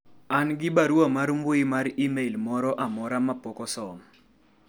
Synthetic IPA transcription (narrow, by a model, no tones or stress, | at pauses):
anɡɪbaɾwamaɾumbʊɪmaɾimeilmɔɾɔʔamɔɾamapɔkɔsɔm